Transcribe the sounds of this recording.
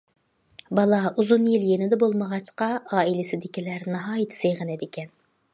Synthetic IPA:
bɑlˠɑuzunjilˠjenɪd̪ɛbolˠməʁɑt͡ʃqɑɑːilɪsɪd̪ɪkʲilæɾnɑɦɑːjɪt̪ʰɪ̥sejʁənɛd̪ɪkʲʰɛn

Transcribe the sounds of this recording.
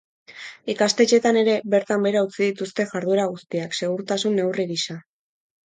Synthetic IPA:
ikast̪e̞t͡ʃe̞t̪ane̞ɾe̞βe̞ɾt̪ambe̞ɾaut͡siðit̪ust̪e̞ʝaɾðueɾaɣust̪iakse̞ɣ̞uɾt̪asunːe̞wriɣisa

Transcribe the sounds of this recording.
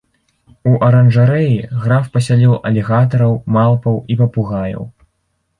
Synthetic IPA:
uʔɐɾɐnʐaɾɛjiɣɾafpɐsʲalʲilˠʔɐlʲɛɣat̪ɐɾɐwmalˠpɐwipɐpuɣajɐ̰w

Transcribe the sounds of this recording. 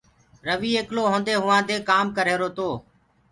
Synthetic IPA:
ɾəʋiːeːkloːɦõːnd̪eːɦʊʋãːd̪eːkaːmkəɾeːɾoːt̪oː

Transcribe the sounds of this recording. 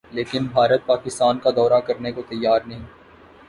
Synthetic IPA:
leːkɪnbʱaːɾət̪̚paːkɪst̪aːnkad̪ɔːɾakɐɾnekot̪ɐjːaːɾnɐɦĩː

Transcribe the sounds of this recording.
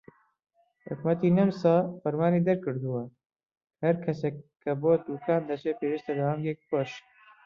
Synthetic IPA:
hʊ̰kmɐt̪inɐmsaːfɐɾmaːniːd̪ɐɾkɨɾd̪uwɐ | hɐɾkʰɐsekːɐboːt̪̚d̪uːkaːnd̪ɐt͡ʃʰepeːɾist̪ɐd̪ɐwaːmɡek̚poʃ

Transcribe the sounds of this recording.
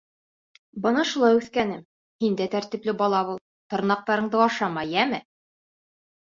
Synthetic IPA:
bɤnɑʃulˠɑjʉθkænɘm | hind̪æt̪æɾt̪ĭplɘbɒlˠɑβulˠ | t̪ŏɾnɑq̚t̪ɑɾɤ̆ɴd̪ɤɑʃɑmɑjæmɘ

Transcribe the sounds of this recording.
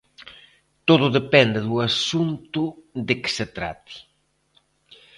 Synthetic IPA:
t̪oðʊðepɛnd̪eðuasunt̪ʊðekɪ̥set̪ɾa̰t̪i̥

